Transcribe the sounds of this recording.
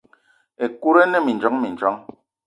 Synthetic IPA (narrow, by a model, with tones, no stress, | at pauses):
e˨ku˦ɾɛ˦nɛ˦mi˨n˨d͡ʒɔ˨˦ŋmi˨n˨d͡ʒɔ˨˦ŋ